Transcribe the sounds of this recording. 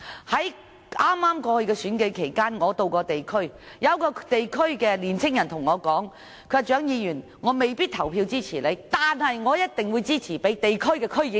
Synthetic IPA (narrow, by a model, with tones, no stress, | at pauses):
hɐ˨˥j | ʔaː˥mːaː˥mkɔː˧hɵ˧ɥkɛː˧syː˨˥nke˨˥jkʰe˨˩jkaː˥nŋɔː˨˧t̪o˧wkɔː˧t̪e˨jkʰɵ˥ɥ | jɐ˨˧wkɔː˧t̪e˨jkʰɵ˥ɥkɛː˧liː˨˩nt͡sʰɪ˥ŋjɐ˨˩nt̪ʰʊ˨˩ŋɔː˨˧kɔː˨˥ŋ | kʰɵ˨˧˨t͡ʃœː˨˥ŋjiː˨˧jyː˨˩n | ŋɔː˨˧me˨jpiː˥t̪̚ʰɐ˨˩wpʰiː˧wt͡siː˥t͡sʰiː˨˩le˨˧jt̪aː˨nhɐ˨jŋɔː˨˧jɐ˥t̚t̪ɪ˨ŋwuː˨˧t͡siː˥t͡sʰiː˨˩pe˨˥t̪e˨jkʰɵ˥ɥkɛː˧kʰɵ˥ɥjɪ˨˧˥